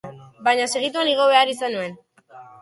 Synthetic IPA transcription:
bajɲaseɣ̞it̪uaniɣ̞o̞βe̞aɾisanue̞n

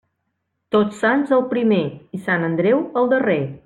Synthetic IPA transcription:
t̪ot͡sːanzəlˠpɾimeisanənd̪ɾɛwəlˠd̪əre

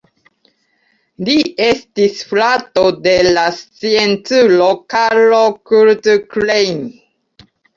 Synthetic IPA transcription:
liestisflatodelast͡sient͡sulokaɾlokuɾtklejm

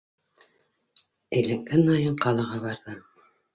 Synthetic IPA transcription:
ɘ̆lɘkɘnɑjɤɴqɑlˠɤ̆ʁɑβɑɾðɤ

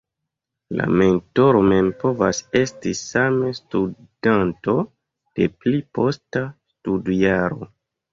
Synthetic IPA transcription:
la̰me̞nto̞ɾo̞me̞mpo̞vase̞stisamestudanto̞ | d̥e̞plipo̞stastudiaɾo̞̰

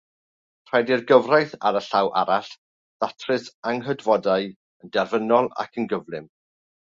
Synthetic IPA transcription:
r̥ɛdirɡəvrajθaɾəɬawʔa̰ɾaɬ | ð̥atʰrɨsaŋɦədvɔdaɨ | əndɛrvənɔlˠa̰kʰənɡəvlˠɨm

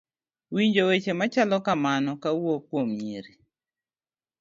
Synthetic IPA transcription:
wiɲd͡ʒowet͡ʃemat͡ʃalɔkamanɔkawokwomɲiɾi

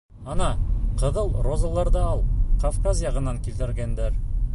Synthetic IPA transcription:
ɑnɑqɤ̆ðɤlˠrozɑlˠɑɾd̪ɑɑlˠqofkazjɑʁɤ̆nːɑŋkilt̪ɘ̆ɾɡend̪eɾ

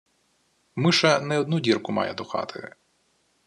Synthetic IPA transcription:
mɪʃɐnɛɔd̪nudʲirkʊmɑ̰jɛd̪ʊxɑ̰t̪ʰɪ̰

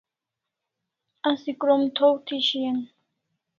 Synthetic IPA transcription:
asikʼɾɔmt̪ʰɔwt̪ʰiʃiɛn

